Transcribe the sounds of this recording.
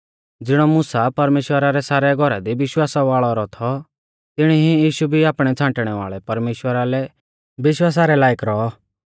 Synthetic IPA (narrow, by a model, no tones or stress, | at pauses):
d͡zɪɽ̃ɔmʊsapɐɾmeːʃwəɾaɾɛsaːɾɛɡʱɔɾa̰d̪iʋɪʃwaːsaʋaːɭɔɾɔt̪ʰɔ | t̪ɪɽ̃iɦijiːʃubʱiaːpɽ̃ɛt͡sʰãːɳʈɽ̃ɛʋa̰ːɭɛpɐɾmeːʃwəɾalɛ | bɪʃwaːs̬aɾɛlaːjɪkɾɔɔ